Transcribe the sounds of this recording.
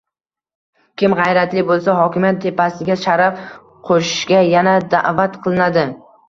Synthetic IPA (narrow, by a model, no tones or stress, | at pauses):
kʲɪmʁɑjɾat̪lɪbolˠsaɦɒkʲɪmjat̪ʰːe̞pasɪɡʲaʃaɾaf | qʰoʃɪ̥ʃɡʲajanad̪a̰ʔvat̪qʰɨlˠɪnad̪ɪ